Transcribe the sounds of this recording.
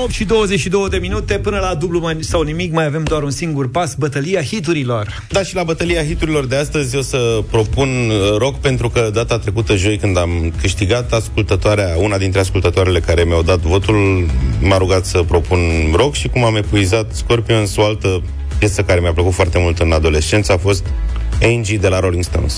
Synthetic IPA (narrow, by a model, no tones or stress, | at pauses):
opt̪ʃid̪o̞wəzet͡ʃʃid̪o̞wəd̪e̞minut̪e̞pɨnəlad̪ublumansawnimikmajave̞md̪oaɾunsiŋɡurpasbət̪əliahit̪uɾilo̞r | d̪aʃilabət̪əliaxit̪uɾilo̞rd̪e̞ast̪əzʲo̞səpɾo̞punɾo̞kpe̞nt̪ɾukəd̪at̪at̪ɾe̞kut̪əʒo̞jkɨnd̪amkɨʃt̪iɡat̪askult̪ət̪oaɾeaunad̪int̪ɾe̞askult̪ət̪oaɾele̞kaɾe̞meawd̪at̪vo̞t̪ulmaɾuɡat̪səpɾo̞punro̞kʃikumame̞puizat̪sko̞rpionsoalt̪ə | pjet̪səkaɾe̞mjapləkut̪foart̪e̞mult̪ɨnad̪o̞le̞st͡ʃe̞nt̪safo̞st̪end͡ʒid̪e̞laɾo̞liŋɡst̪o̰ns